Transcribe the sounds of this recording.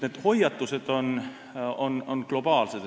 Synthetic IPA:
ned̪̥ho̞jɑt̪ːˑuse̞d̪̥o̞n | ono̞nklo̞b̥ɑːlsed̪

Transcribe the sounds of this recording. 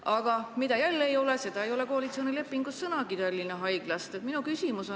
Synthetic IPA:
ɑɡ̥ɑmid̪̥ɑjælːeːjo̞lese̞d̪ɑejo̞le̞koɑlit̪seo̞nile̞pːˑiŋɡ̥usːɤnɑkid̪ælʲːineɦɑjɡ̥lɑst̪et̪ˑminukysimuso

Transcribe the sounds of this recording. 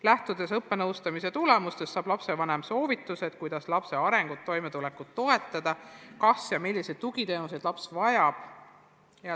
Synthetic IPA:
læht̪ud̪̥e̞sɤpːe̞nɤwst̪ɑmise̞t̪ule̞must̪e̞sːɑːb̥lɑpse̞vɑnemso̞ːvit̪ːˑuse̞d̪̚kujd̪̥ɑslɑpse̞ɑɾe̞ŋɡ̥ut̪ːo̞jme̞t̪ule̞kːut̪ːo̞e̞t̪ːˑɑd̪̥ɑkɑsjɑmilʲːise̞d̪̥̚t̪uɡ̥it̪e̞ːnus̬ed̪̥lɑpsvɑjɑb̥ | jɑ

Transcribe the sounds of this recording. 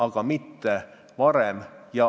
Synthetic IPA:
ɑɡ̥ɑmit̪ːe | ʋɑɾemjɑ

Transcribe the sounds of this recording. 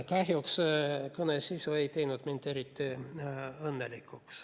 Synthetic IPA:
kɑhjokskɤnesisʲueit̪einut̪mint̪eɾit̪ːi | ɤnːelikːuks

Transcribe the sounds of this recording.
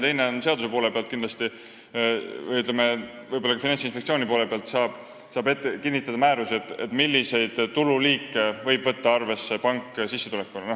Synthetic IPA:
t̪e̞jne̞onse̞ɑd̪use̞polepe̞ɑlt̪kind̪lɑst̪i | jyt̪leme | vɤjbolɑkɑfinɑnsinspekt̪sio̞ːnipo̞ːle̞pe̞ɑlt̪sɑːb̥ | sɑːbe̞t̪ːekinːit̪ːˑɑd̪ɑmæːɾusiet̪ːˑet̪ːˑmilːise̞jd̪̥t̪ululiːkːˑe̞vɤ̞jb̥vɤt̪ːɑɑrve̞sːe̞pɑŋkːˑsisːe̞t̪ulekːulno

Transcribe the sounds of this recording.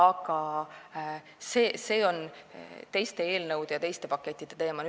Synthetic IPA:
ɑɡ̥ɑ | seːse̞ːo̞nt̪e̞jst̪e̞e̞ːlnɤwd̪̥ejɑt̪e̞jst̪e̞pɑkːˑe̞t̪ʲˑːid̪̥e̞t̪e̞ːmɑny

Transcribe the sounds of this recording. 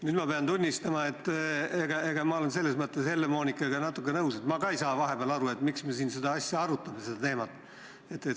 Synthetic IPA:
nyːd̪mɑpe̞ɑnt̪unʲːist̪ɑmɑe̞t̪ːˑe̞ɡ̥ɑe̞ɡ̥ɑmɑo̞le̞nse̞lːesmɤt̪ːˑeshe̞lːemo̞ːnʲikːˑɑɡ̥ɑnɑt̪ːˑukːˑe̞nɤuwse̞t̪mɑɡɑejsɑːvɑɦe̞beɑlɑɾue̞t̪miksmesiːnsed̪ɑɑsʲjɑɑɾut̪ːˑɑmese̞d̪̥ɑt̪e̞ːmɑt̪ːˑ | e̞t̪ːˑe

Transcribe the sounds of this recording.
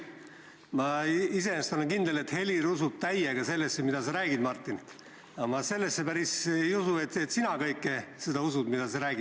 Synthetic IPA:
mɑise̞est̪olenkind̪ele̞t̪ːhe̞lʲiɾusub̥̚t̪æjeɡ̥ɑse̞lːesːe̞mid̪̥ɑseɾæːɡ̥id̪̥mɑrt̪ːˑin | ɑmɑse̞lːesːe̞pæɾisejusue̞t̪ːet̪sinɑkɤjkːˑese̞d̪̥ɑusud̪̥mid̪̥ɑseɾæːɡ̥i

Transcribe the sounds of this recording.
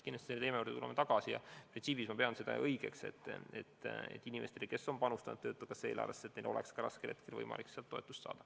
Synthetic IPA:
kinːɑst̪iseejmeurd̪et̪ulemet̪ɑɡ̥ɑsijɑ̰prinsiːpismɑpeɑnse̞d̪ɑ̰ʔɤjɡ̥e̞̰kse̞̰t̪ːˑḛt̪ːḛt̪ːˑinimʔe̞st̪e̞like̞sːonpɑnust̪ɑnṵd̪ɤːt̪ːukɑseːlɑ̰ːleset̪nejlo̞lekskɑɾɑ̰skelʔe̞t̪̚kelvɤ̰jmɑ̰likseɑlt̪ːo̞e̞t̪ːˑu̥st̪sɑ̰ːd̪̥ɑ̥

